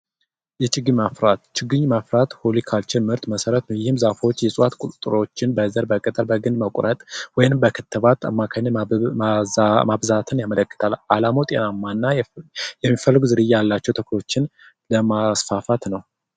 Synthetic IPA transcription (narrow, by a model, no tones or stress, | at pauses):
jɛt͡ʃʼɪɡːɨɲmafɾat̪t͡ʃɪɡɨɲmafɾat̪holikʰalt͡ʃʰɪlmɨɾt̪məsəɾət̪nəwjɪhɨmzafwot͡ʃːjɛsʼuwat̪kʼut̪ʼt̪ʼɾo̞t͡ʃːɪnbəzəɾbəkʼət̪ʼəɾbəɡɨnd̪məkʷʼɾʔət̪ʼwɔjnɨmbəkʰɨt̪ʰːɨβat̪ʰa̰mːakʰaɲːɨ | mabzat̪ʰɨnjamələkʼːɨ̥t̪ʰalʔalamowt̪ʼenamːanːajɛmːifəlːɨɡʷuzɨɾɨjːajalːat͡ʃːɛwt̪ʰəkʰlo̞t͡ʃːɪn | ləmasfafat̪nəw